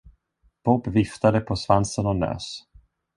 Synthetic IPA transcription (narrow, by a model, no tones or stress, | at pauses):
b̥ɔbvɪft̪ad̪əpʰɔsvansənɔnø̰ːs